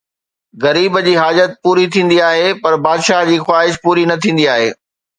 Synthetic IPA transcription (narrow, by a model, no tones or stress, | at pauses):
ɣɐɾiːbd͡ʑiːɦaːd͡ʑət̪̚puːɾit̪ʰĩːn̆d̪iaːɦepɐɾbaːd̪ʃaːɦd͡ʑiːxwaːɦɪʃpuːɾinɐt̪ʰĩːnd̪iaːɦeː